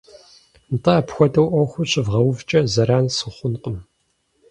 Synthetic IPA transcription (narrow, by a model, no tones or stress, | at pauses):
ntʰʼɐːpxʷɔdɐwʔɐxʷʊɕʼɨvʁɐwvt͡ʃʼɐzɐɾaːnsɨχʷʊnqʼəm